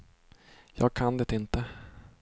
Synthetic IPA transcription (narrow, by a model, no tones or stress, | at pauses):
jɑ̰ːɡ̚kʰand̪ɛt̪ɪnt̪ə